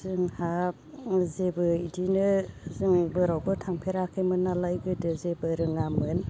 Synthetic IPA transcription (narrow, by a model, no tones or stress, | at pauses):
zɯŋha | zebɯidinɯzɯŋbɯɾawbɯtʰaŋpʰeɾakʰɯjmɯnalajɡɯdɯzebɯɾɯŋamɯn